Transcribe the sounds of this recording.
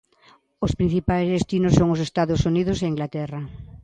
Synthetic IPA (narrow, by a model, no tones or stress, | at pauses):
ospɾĩn̟θipajzðest̪inosːoŋosest̪aðosuniðʊseiŋɡlat̪ɛrɐ